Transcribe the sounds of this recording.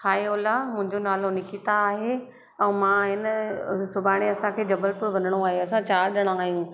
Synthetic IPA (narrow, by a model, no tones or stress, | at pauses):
xaːeoːlamʊ̃ɦɪ̃ɲd͡ʑonaːlonɪkit̪aːɦe | ɛ̃ːmãːɦɪnsʊbʱaːɽ̃eɐsãkʰeːd͡ʑɐbəlpʊɾʋɐnəɽ̃oaːɦeɐsãt͡ɕaːɾɗɐɽ̃ãaːɦijũ